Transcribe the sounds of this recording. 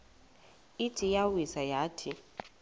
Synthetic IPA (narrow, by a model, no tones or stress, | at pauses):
itʰijawisajaːtʰi